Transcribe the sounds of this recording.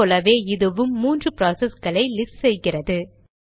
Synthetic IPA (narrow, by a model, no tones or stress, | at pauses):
oːlɐʋeːɪðɯʋɯmːuːndrɯpɪɾaːsɛsɡɐɭɐɪlɪsʈsɛjɣɪrɐðɯ